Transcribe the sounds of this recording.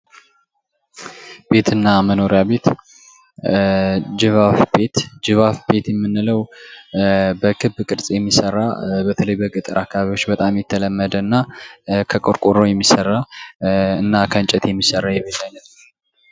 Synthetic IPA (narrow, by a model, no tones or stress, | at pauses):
b̥e̞t̪ɨnːaməno̞ɾjabe̞t̪ | d͡ʒɨβafbe̞t̪d͡ʒɨβafbe̞t̪jɛmːɨnːɨləw | bəkʰɨbkʼɨɾsʼjɛmːisərːa̰bət̪ʰələjbəkʼɨt̪ʼɨɾakʰːaβaβiwo̞t͡ʃːbət̪ʼamjɛt̪ʰːələmːəd̪ənːakʰəkʼoɾkʼoɾojɛmːisərːa | ɨnːakʰənt͡ʃʼɛt̪jɛmːisərːajɛβət̪ʼajnət̪